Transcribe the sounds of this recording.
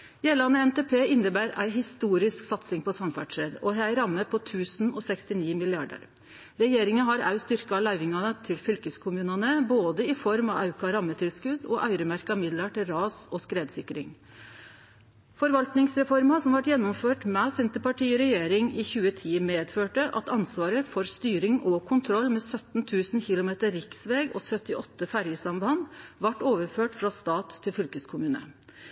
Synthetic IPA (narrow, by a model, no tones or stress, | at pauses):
jeːlɑnəɛnt̪eːpʰeːɪnːəbæːɾæ̰ɪɦɪst̪uːɾɪsksɑt̪sɪŋpʰɔsɑmfæ̰ʈʂəd̪ɔɦæɪɾɑmːəpʰɔt̪ʰʉːsnɔːsɛkst̪ɪniːmɪlɪɑɖə̰ɾ | ɾɛjeːɾɪŋənɦɑɾɑ̰ʉst̪ʏɾkəɑlæɪʋɪŋɑnət̪ʰɪlfʏlkəskʰʊmʉːnɑnəboːd̪əɪfɔɾmɑɑʉkɑɾɑmːət̪ʰɪlskʉd̪ɔʔɑʏɾəmæɾkɑmɪd̪ləʈɪlɾɑːsɔskɾeːd̪sɪkɾɪŋ | fɔɾʋɑlt̪nɪŋsɾɛfɔɾmɑsɔmʋɑʈjɛnːɔmføːʈmɛsɪnt̪əpɑʈʰiːɔɾɛjeːɾɪŋɪːçʉːət̪ʰiːmeːd̪føːʈəʔɑ̰t̪ɑnsʋɑːɾəfɔɾst̪yːɾɪŋɔkʰʊnt̪ʰɾɔlːmɛːsœt̪n̩t̪ʰʉːsn̩çɪlʊmeːt̪əɾːɪksʋeːɡɔsœt̪ɪʔɔt̪ːəfæɾjəsɑmb̪ɑnʋɑʈːoːʋəɾføːʈfɾɑst̪ɑːt̪ʰːɪlfʏlkəskʰʊmʉːnə̰